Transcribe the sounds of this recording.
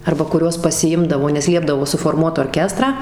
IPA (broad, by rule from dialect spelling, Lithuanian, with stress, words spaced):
ɐrbɐ kʊˈrʲuɔs pɐsʲɪˈɪmdɐʋoː nʲɛs ˈlʲiɛbdɐʋoː sʊfoːrˈmuɔt oːrʲˈkʲæːstrɑː